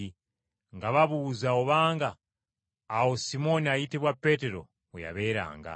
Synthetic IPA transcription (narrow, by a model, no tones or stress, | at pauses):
ŋɡaβaβuzaoβaːŋɡaː | wosimo̞niajiteβwapeteɾo̰ | uja̰βeɾa̰ːŋɡa̰